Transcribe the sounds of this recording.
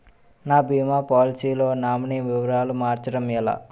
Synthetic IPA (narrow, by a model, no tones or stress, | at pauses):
naːbʱimaːpaːlisiːloːnaːmɐniʋiʋɐɾaːlumaːɾt͡ʃɐɽɐmɛla̰